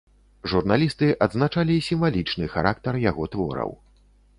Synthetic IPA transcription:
ʐurnalʲist̪ɨʔɐd̪znat͡ʂalʲisʲimvalʲit͡ʂnɨxa̰ɾʔak̚t̪ɐrjaɣɔt̪vɔ̰ɾɐ̰w

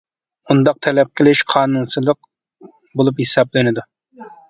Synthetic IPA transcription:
und̪ɑq̚t̪ʰɛlɛp̚qʰəlˠɪʃqʰɑːnunsɨlˠəq | bolˠuphesɑblɪnɪd̪u

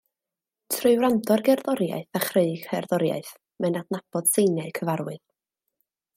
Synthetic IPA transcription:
tʰrɨwrandʰɔrɡɛrðɔɾja̰ɨθaχreɨɡ̥hɛrðɔɾja̰ɨθ | mɛnadnab̥ɔd̥sejnjaɨkʰəvaɾwɨð

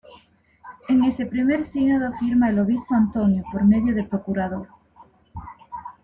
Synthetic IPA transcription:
eŋesepɾimeɾsiɣnoðofiɾmaeloβ̞ispoant̪onjopoɾmeðjoð̞epɾokuɾað̞oɾ

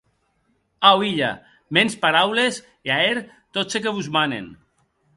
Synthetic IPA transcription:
awiʎa̰ | menspaɾawles | eaeɾ | t̪osekeβuzmanḛn

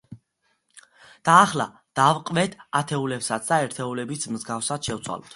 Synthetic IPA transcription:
d̪̥aːχla̰ | d̪̥avqʼvɛt̪ʰat̪ʰɛulɛpsat̪sʰd̪aɛɾt̪ʰɛulɛbismzɡafsad̪ʃɛvt̪sʰwa̰lɔ̰t̪ʰ

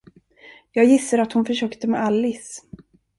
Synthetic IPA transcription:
jɑːɡjɪsːaɾat̪hʊnfœʂœːkt̪əmɛ̰alːɪs

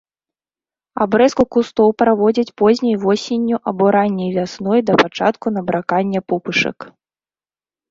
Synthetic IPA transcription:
a̰bɾɛskukust̪ɔwpɾavɔd͡zʲɐt͡sʲpɔzʲnʲɐjvɔsʲenʲːuʔɐbɔɾanʲːɐjvʲasnɔjd̪ɐpat͡ʂa̰t̪kun̪ɐbɾakanʲːɛpɔpɨʂɐ̰k

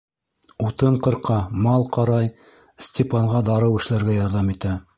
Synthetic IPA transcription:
ut̪ɤɴqɤ̆ɾqɑmɑlˠqɑɾɑj | sʲtʲɪpɑɴʁɑd̪ɑɾɤwɘ̆ʃlæɾɡæjɑɾðɑmit̪æ

